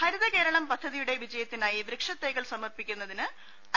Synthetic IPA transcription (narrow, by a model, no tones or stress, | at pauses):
hɐɾuðɐke̞ːɾɐɳɐmpɐd̪ʱːɐðijuɽe̞ʋid͡ʑɐjɐt̪ːinaːjiʋɾɨkʂɐt̪ːeːɣɐɭsɐmɐrpikʲːunːɐðinɨ | ɐ